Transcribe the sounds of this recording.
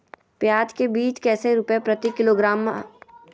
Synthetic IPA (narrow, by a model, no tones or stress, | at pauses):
pjaːd͡ʒkebiːt͡ʃkɛːseɾʊpjepɾɐt̪ikɪloɡɾaːm